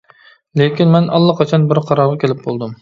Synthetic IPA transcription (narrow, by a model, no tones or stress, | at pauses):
lekʲinmɛnʔɑ̰lˠːɑqʰɑt͡ʃʰɑnbɪɾqʰɑɾɑɾʁɑkʲʰelɪp̚bolˠd̪ɨm